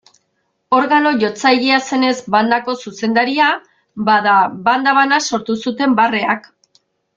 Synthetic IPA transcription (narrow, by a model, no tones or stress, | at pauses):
o̞ɾɣano̞ʝo̞t͡sajɣiase̞ne̞zband̪ako̞suse̞nd̪aɾia | baðaβand̪aβanaso̞ɾt̪usut̪e̞mbare̞ak